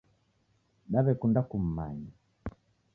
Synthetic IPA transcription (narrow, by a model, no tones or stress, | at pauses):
ɗaβɛkundakum̩ma̰ɲa